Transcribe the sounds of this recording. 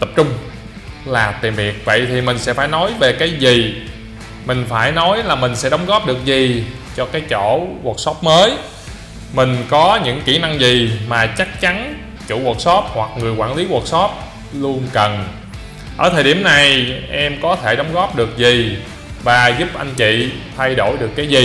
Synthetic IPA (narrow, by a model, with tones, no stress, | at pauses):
t̪ə˨˩p̚t͡ɕʊ˧ŋ͡m | laː˨˩t̪i˨˩mi˨˩ək̚və̰˧˨jt̪ʰi˨˩mï˨˩ŋ̟sɛ̰˧˥faː˧˩jnɔ˨˦jve˨˩kaː˨˦jzi˨˩ | mï˨˩ŋ̟faː˧˩jnɔ˨˦jlaː˨˩mï˨˩ŋ̟sɛ̰˧˥ɗɔ˨˦wŋ͡mɣɔ˦˥p̚ɗɨ˨˩ək̚zi˨˩ | t͡ɕɔ˧kaː˨˦jt͡ɕo˧˩ɣa˨˩k̚sɔ˦˥p̚məː˨˦j | mï˨˩ŋ̟kɔ˨˦ɲɨ̰˧˥ŋki˧˩na˧ŋzi˨˩maː˨˩t͡ɕa˦˥k̚t͡ɕa˨˦n | t͡ɕṵ˧˩wu˨˩t̚sɔ˦˥p̚hwa˨˩k̚ŋɨ˨˩əjkwaː˧˩nli˨˦ɣwə˨˩t̚sɔ˦˥p̚ | lu˧ənkə˨˩n | ʔəː˧˩t̪ʰəː˨˩jɗi˧˩əmna˨˩jʔɛ˧mkɔ˨˦t̪ʰe˧˩ɗɔ˨˦wŋ͡mɣɔ˦˥p̚ɗɨ˨˩ək̚zi˨˩ | vaː˨˩zu˦˥p̚ʔa˧jŋ̟t͡ɕḭ˧˨t̪ʰa˧jɗo˧˩jɗɨ˨˩əkːaː˨˦jzi˨˩